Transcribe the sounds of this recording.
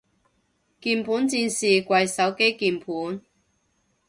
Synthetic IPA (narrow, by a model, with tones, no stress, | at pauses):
kiː˧npʰuː˨˥nt͡siː˧nsiː˨kʷɐ˧jsɐ˨˥wke˥jkiː˧mpʰuː˨˥n